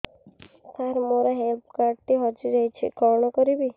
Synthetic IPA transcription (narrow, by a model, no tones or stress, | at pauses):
t̪ʰaɾmoɾaɦelpʰkaɾɖ̚ʈiɦɔd͡ʒiɾɔjt͡ʃʰḭkɔɾɳ̃ɔkɔɾibi